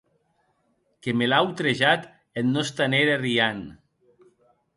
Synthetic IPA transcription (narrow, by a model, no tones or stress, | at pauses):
kemelawt̪ɾeʒat̪ | ennost̪aneɾarian